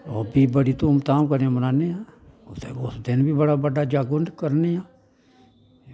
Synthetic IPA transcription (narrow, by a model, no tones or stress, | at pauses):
ɔːbibəɽit̪omt̪aːmkəɾeãmənaːneãːʊt̪ḛosd̪ɪnbʱibəɽabəɖad͡ʒaːɡʊnɖkəɾneaː